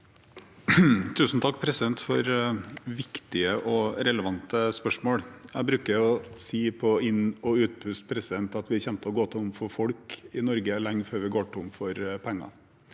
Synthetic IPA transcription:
t̪ʰʉːsn̩t̪ʰɑk̚ːpʰɾɛsɪd̪ɛnt̪fɔɾʋɪkt̪ɪəʔɔɾɛləʋɑnt̪əspœʂmoːɽjæɪbɾʉːkəɾʊɔsiːpʰɔɪnɔʉːt̪̚pʰʉst̪pʰɾɛsɪd̪ɛnt̪ɑt̪ʋɪçɛmt̪əɔɡoːt̪ʰəʊmfɔfɔɽkɪnɔɾɡəlɛŋføːɾʋɪɡoːʈʊmfɔɾpʰɛŋːɑ̰

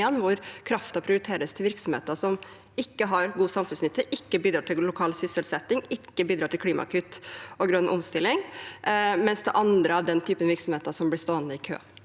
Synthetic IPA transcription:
ɛnːʋʊɾkʰɾɑft̪ɑpʰɾɪʊɾɪt̪ʰeːɾəst̪ʰɪlʋɪɾksɔmheːt̪əʂɔm | ɪkːəɦɑɾɡuːsɑmfʉnsnʏt̪ːəʔɪkːəbiːd̪ɾɑːʈʰɪllʊkʰɑːlsʏsəlsɛt̪ːɪŋɪkːəbiːd̪ɾɑːʈ̪ɪlkʰliːmɑ̰kʰʉt̪ːɔɡɾœnʔʊ̰mst̪ɪlːɪŋ | mɛnsd̪ɛʔɑnd̪ɾəɑʋd̪ɛnt̪ʰyːpənʋɪɾksɔm̩eːt̪ɑsɔmblɪst̪oːənd̪əɪkʰø̰ː

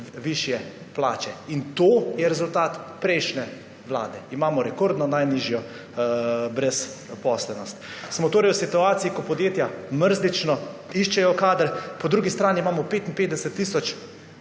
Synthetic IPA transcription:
ʋiʃjɛ | pla̰ːt͡ʃɛint̪oːjɛɾɛzult̪aːt̪pɾɛjʃnɛ | ʋla̰ːd̪ɛimaːmɔɾɛkoɾd̪nɔnajniːʒjɔ | bɾɛs | pɔslɛnɔst̪smɔt̪oːɾɛjwsit̪uaːt̪siikɔpɔd̪jeːt̪jaməɾzlit͡ʃnɔiʃt͡ʃɛjɔkaːd̪əɾpɔd̪ɾuːɡist̪ɾaːniimaːmɔpeːt̪inpeːt̪d̪ɛsɛt̪ːiːsɔt͡ʃ

